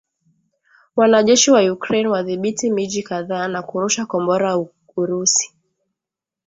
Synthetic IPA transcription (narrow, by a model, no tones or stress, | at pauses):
wanaʄɛʃiwajukɾɛnwaðiɓitimiʄikaðaːnakuɾuʃakɔmbɔɾa | uɾusi̥